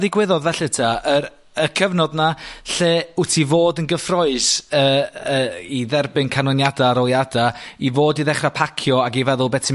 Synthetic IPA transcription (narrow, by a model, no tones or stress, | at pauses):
ðɪɡwɪðɔðvɛɬɪtʰaə | əkʰəvnɔdnaɬeːʊtʰivoːdənɡəfrɔɨsəəiðɛrbɪnkʰanɔnjadaaɾɔlˠjadaivoːdiðɛχrapʰakʰjɔaɡivɛðʊlˠbɛtʰɪ